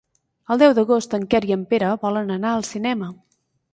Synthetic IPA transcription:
əlˠd̪ɛwd̪əɣost̪əŋkɛɾiəmpeɾəβɔlənənaəlˠsinɛmə

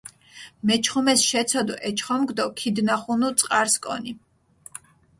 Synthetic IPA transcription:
mɛt͡ʃʰχumɛsʃɛt̪sʰɔd̪ɔʔɛt͡ʃʰχɔmɡd̪ɔkʰid̪naχunut̪sʼqʼaɾskʼɔ̰ni

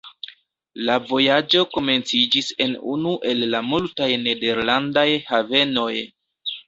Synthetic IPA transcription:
lavo̞jad͡ʒo̞ko̞me̞nt͡sid͡ʒise̞nṵnuʔe̞lːamultajne̞de̞ɾlandajhave̞no̞j

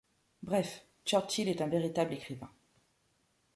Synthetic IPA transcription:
bʁɛf | t͡ʃœʁt͡ʃilɛt̪ɛ̃veʁit̪ablekχivɛ̃

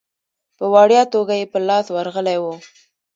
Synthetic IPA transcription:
pəwɑɽjɑt̪oɡajepəlɑswaɾɣəlajwu

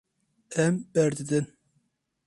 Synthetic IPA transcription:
ɛmbɛɾd̪ɨd̪ɨn

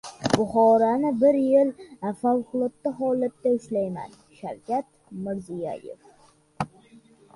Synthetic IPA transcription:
bʊχɒɾanɪbɪɾjɪlfawqʰʊlˠɒt̪ːaɦɒlat̪ːaɪʃlajma̰n | ʃaɾkʲat̪ | mɪɾzija̰jḛf

